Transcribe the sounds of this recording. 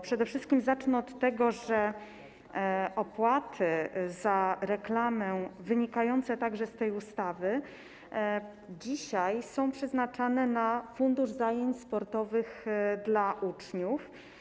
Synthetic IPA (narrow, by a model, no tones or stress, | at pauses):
pʂɛd̪ɛfʂɘst̪̚kʲimzat͡ʂnɔɔt̪ːɛɡɔʐɛ | ʔɔpwat̪ʰɘzaɾɛklamɛvɘɲikajɔnt̪sɛt̪aɡʐɛst̪ɛjust̪avɘ | d͡ʑiɕajsɔ̃w̃pʂɛznat͡ʂanɛnafund̪uʐzajeɲt͡ɕspɔɾt̪ɔvɘxd̪laʔut͡ʂɲuf